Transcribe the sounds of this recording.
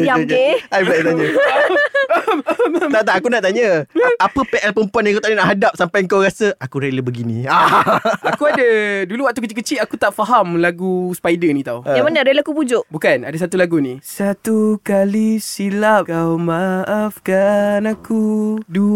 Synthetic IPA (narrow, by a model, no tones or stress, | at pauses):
jaeajbat̪aɲə | t̪at̪aakunaʔt̪aɲəapəpeʔɛlpəmpuanjãŋkuwt̪aɲənaʔɦadap̚sampajəŋkawɾasəakuɾeləbəɡinḭ̃aakuadəduluwaʔ̚t̪ukət͡ʃiʔkət͡ʃiʔakut̪aʔfaɦamlaɡuspajdənĩt̪awəjamanəɾeləakubud͡ʒʊʔbukanadəsat̪ulaɡunĩsat̪ukalisilap̚kawmaʔafkanakudu